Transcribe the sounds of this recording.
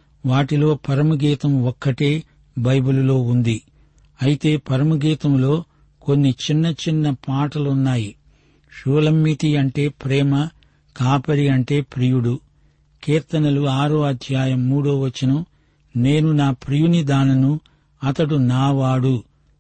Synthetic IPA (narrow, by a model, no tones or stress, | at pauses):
ʋaːʈilo̞ːpɐɾɐmuɡiːt̪ɐmɔkːɐʈeː | bɐjbululo̞ːund̪i | ɐjit̪e̞ːpɐɾɐmuɡiːt̪ɐmlo̞ː | konːit͡ʃinːɐt͡ʃinːɐpaːʈɐlunːaːji | ʂuːlɐmːit̪iɐɳʈe̞ːpɾɛːmɐ | kaːpɐɾiɐɳʈe̞ːpɾijuɽu | kiːɾt̪ɐnɐluaːɾoːɐd̪ʱjaːjɐmːuːɽoːʋɐt͡ʃːinɐm | ne̞ːnunaːpɾijunid̪aːnɐnu | ɐt̪ɐɽunaːʋaːɽu